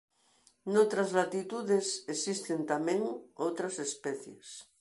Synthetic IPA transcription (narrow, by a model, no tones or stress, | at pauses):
not̪ɾazlat̪it̪uðesesist̪ent̪amẽŋowt̪ɾasespeθjḛs